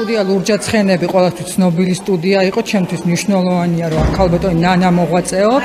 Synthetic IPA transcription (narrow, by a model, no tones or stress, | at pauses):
ud̪ialˠuɾd͡ʒat̪sʰχɛnɛbiqʼwɛlˠast̪ʰwist̪sʰnɔbilist̪ʼud̪iaiqʼɔt͡ʃʰɛmt̪ʰwismniʃnɛlˠɔvaniaɾɔkʰalˠbat̪ʼɔninanamɔʁwat̪sʼɛɔ